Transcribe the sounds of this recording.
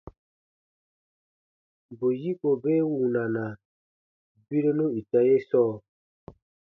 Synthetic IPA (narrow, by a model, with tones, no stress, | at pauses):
bo˨ji˦ko˨be˦wu˨na˨na˨ | bi˦ɾo˦nu˦i˨ta˦je˦sɔː˦˨